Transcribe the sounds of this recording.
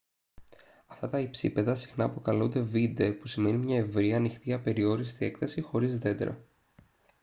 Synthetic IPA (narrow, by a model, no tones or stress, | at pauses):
ɐft̪ɐt̪ɐipsḭpe̞ðɐsi̥xnɐːpo̞kɐlund̪e̞vind̪e̞pusime̞nimɲɐe̞vɾiɐnixt̪iɐpe̞ɾio̞ɾist̪ie̞kθɐsixo̞ɾizðe̞d̪ḛɾo̰